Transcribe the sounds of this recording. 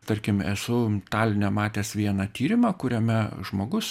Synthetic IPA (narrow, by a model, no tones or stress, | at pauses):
t̪ɐɾʲkʲɪmɛsʊt̪ɑːlʲnʲɛmɑːt̪ʲeːsʋʲiɛnɑt̪ʲiːɾʲɪmɑːkʊɾʲɛmʲɛʒmoːɡʊs